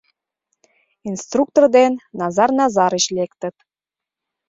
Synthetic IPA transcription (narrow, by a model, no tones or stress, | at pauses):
inst̪ruk̚t̪ord̪enːɑzɑrnɑzɑɾəɕlekt̪ə̆t̪